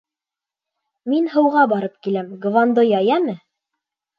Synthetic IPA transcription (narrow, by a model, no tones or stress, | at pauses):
minhɤ̆wʁɑbɑɾɤp̚kilæmɡvɑnd̪ojɑjæmɘ